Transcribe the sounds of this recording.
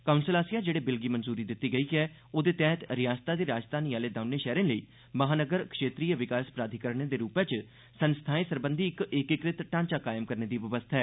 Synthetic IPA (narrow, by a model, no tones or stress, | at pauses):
kaʊnsəlaːsɪjaːd͡ʒeːɽeːbɪlɡiːmənzuːɾiːd̪ɪt̪ːiːɡəiːɛː | oːd̪eːt̪ɛ̃ːt̪ɾɪjaːd͡ʒt̪ʰaːd̪iːɾaːd͡ʒd̪aːniːaːleːd̪aʊneːʃɛːɾẽːləiː | məɦaːnəɡəɾkʃeːt̪ɾiːəʋɪkaːspɾaːd̪ʱiːkəɾɳeːd̪eːɾuːpɛ̃ːt͡ʃ | sənst̪ʰaːeːsəɾbənd̪ʱiːɪkɪkɪkɾɪt̪ʈãːnt͡ʃaːkaːjɪmkəɾneːd̪iːʋəʋəst̪ʰaɦɛː